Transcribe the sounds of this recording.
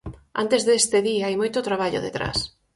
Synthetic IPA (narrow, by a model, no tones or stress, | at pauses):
a̰nt̪ezðest̪eðiaajmojt̪ʊt̪ɾaβaʎo̰ðḛt̪ɾa̰s